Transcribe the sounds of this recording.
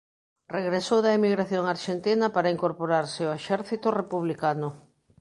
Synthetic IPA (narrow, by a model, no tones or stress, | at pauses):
reɣɾesowðɐemiɣɾaθjoŋaɾʃent̪inɐpaɾaiŋkoɾpoɾaɾseoeʃɛɾθit̪ʊrepuβlikanʊ